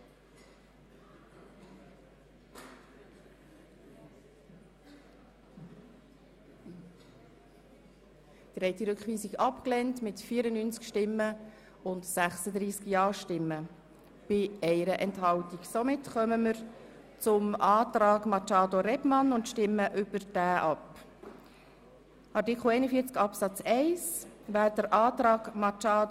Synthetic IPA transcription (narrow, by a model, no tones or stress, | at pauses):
d̥ɾɛɪtiɾʏkχʋiːsiɡɑpklɛntmɪtfiːəɾənyːnt͡skʃtɪmːə | ʊntsæχsəd̪ɾiːskjɑːʃtɪmːə | b̥ɪɛɪɾəʔɛnthɑltiɡsomɪtχœməməɾ | t͡sʊmɑːt̪ɾɑːɡmɑt͡ʃɑːdoɾɛbmɑnʊntʃtɪmːəʔʏb̥əɾd̥æːʔɑp | ʔɑɾtikχl̩ɛɪnəfiəɾt͡skɑpsɑt͡sɛɪsʋæːɾdəɾʔɑːt̪ɾɑːɡmɑt͡ʃɑːd